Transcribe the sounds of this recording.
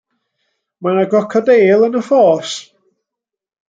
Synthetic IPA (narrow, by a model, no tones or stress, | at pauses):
manaɡɔkʰadeːlˠənəfɔːs